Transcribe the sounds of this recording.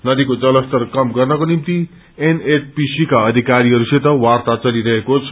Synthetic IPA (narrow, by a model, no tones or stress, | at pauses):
nʌd̪ikod͡zʌlʌst̪ʌrkʌmɡʌrnʌkonimt̪i | eneʈ̚pisikaʌd̪ʱikaɾiʌɾuset̪ʌwart̪at͡sʌliɾʌɦekot͡sʰ